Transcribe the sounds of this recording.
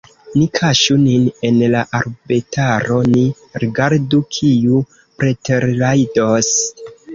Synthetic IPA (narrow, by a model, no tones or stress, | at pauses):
nikʰaʃunine̞nlaʔaɾbitʰaɾo̞ni | ɾiɡaɾdukʰiu | pɾeteɾlajdos